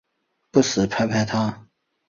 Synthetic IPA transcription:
pu˥˩sɹ̩˨˩pʰa˥ɪpʰa˥˩ɪt̪ʰa˥

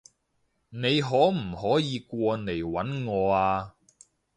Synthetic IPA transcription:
ne˨˧jɦɔː˨˥m̩˨˩hɔː˨˥jiː˨˧kʷɔː˧ne˨˩jwɐ˨˥nŋɔː˨˧aː˧

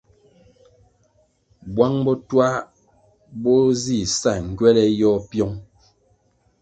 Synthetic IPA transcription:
bwa˦ŋbɔ˦twa˦ | bɔ˦zi˦˨sa˦˨ŋ̩˨ɡɥɛ˦lɛ˦jɔ˦pjɔ˦ŋ

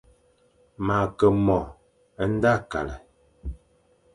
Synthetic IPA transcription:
ma˨kə˨mɔ˨ | ə˦n̩˦da˦˨ka̰˨lə˨

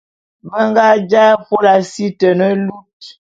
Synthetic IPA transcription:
bə˦ŋɡa˦d͡ʒa˦fo˦la˨si˦tə˨nə˦lu˦t̚

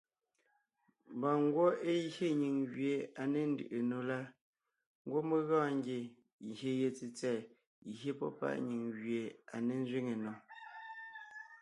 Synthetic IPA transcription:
m˨bɔ˨ŋ˦ɡwo˦e˦he˦ɲi˨ŋɣɥje˨a˨ne˨n̩˦dɯ̰˨ʔe˨no˨la˦ | ŋ˦ɡwo˦me˦ɣɔ̃ː˦ŋ˦ɡe˨ | çe˨je˨t͡si˨t͡sɛː˨ | hje˦pɔ̰˦pa̰˦˨ʔɲi˨ŋɣɥe˨a˨ne˨n˦zɥi˦ŋe˨no˨

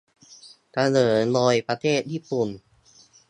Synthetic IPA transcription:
ka˧nɤː˩˦nlɔː˧jpɾa˧t̪ʰeː˥˩t̪̚ji˥˩pu˨˩n

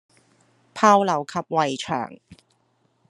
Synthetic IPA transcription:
pʰaː˥wlɐ˨˩wkʰɐ˨p̚wɐ˨jt͡ʃʰœ̰ː˨˩ŋ

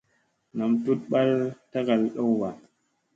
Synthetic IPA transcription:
na˨mtu˦t̚ɓa˦lta˦ka˨lɗo˦wwa˨

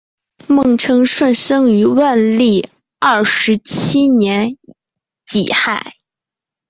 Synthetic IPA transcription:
mɤ˥˧ŋʈ͡ʂʰɤ˥ŋʂwa˥˧˩nʂɤ˥ŋy˧˥wa˥˧nli˥˩ | ɐ˥˩ʂɻ̩˧˥t͡ɕʰi˥njɛ˧˥n | t͡ɕḭ˨˩xa˥˩ɪ

